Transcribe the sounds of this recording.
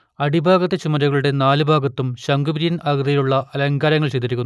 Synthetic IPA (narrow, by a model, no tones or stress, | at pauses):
ɐɽibʱaːɡɐt̪ːɐt͡ɕumɐɾɐɣɐɭuɽe̞naːlɨbʱaːɡɐt̪ːumɕɐŋɡubɾijɐnɐɣd̪ɐjiluɭːɐʔɐlɐŋɡaːɾɐŋːɐɭt͡ɕejd̪ːiɾikʲːunː